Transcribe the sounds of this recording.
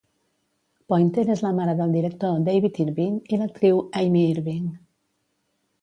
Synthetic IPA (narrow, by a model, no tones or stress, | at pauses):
pɔjnt̪enezləmaɾəðəlˠd̪iɾək̚t̪od̪ejβit̪iɾβiŋilək̚t̪ɾiwajmiiɾβiŋ